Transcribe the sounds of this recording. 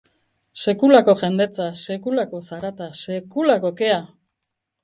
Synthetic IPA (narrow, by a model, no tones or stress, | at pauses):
se̞kulako̞ʝe̞nd̪e̞t͡sase̞kulako̞saɾat̪ase̞kulako̞ke̞a